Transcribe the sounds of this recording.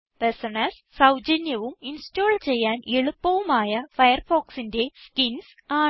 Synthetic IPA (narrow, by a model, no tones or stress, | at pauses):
pesɐɳɐs | sɐwd͡ʑɐnjɐʋuminstoːlt͡ɕe̞jːaːneɭupːɐʋumaːjɐfɐjɐrfoːksinde̞skins | aː